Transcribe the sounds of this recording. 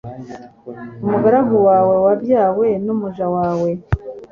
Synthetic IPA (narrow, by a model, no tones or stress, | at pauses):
umuɡaɾaɦuwaːwe̞wabjaːwe̞numuʒawaːwe̞